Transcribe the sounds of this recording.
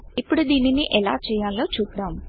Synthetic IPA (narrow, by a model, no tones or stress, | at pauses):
ipːuɽud̪iːniniʔɛlaːt͡ʃɛːjaːlːoːt͡ʃuːpd̪aːm